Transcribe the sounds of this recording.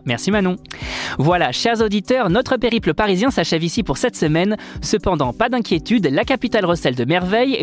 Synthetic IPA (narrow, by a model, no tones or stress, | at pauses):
mɛʁsimanɔ̃vwalaʃɛʁzod̪it̪œʁnɔt̪χəpeʁipləpaʁizjɛ̃saʃɛvisipuʁsɛt̪səmɛnsəpɑ̃d̪ɑ̃pad̪ɛ̃kʲjet̪yd̪lakapit̪alʁɔsɛld̪əmɛʁvɛj